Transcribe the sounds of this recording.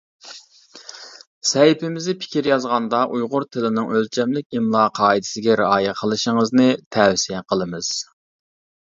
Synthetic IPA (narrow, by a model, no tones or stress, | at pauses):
sɛjpʰɪmɪzɪpʰɪ̥kʲiɾjɑzʁɑnd̪ɑʔujʁʊɾt̪ʰɪlɪnɨŋølt͡ʃʰɛmlɪk̚ʲimlˠɑːqʰɑːid̪ɪ̥sɪɡʲɛɾɪɑːjɛqʰəlˠɨʃəŋəznɨt̪ʰɛwsiɛqʰəlˠɨmɨz̥